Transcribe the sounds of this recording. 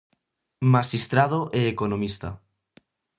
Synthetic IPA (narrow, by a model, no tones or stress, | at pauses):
maʃist̪ɾað̞oʔeːkonõmist̪a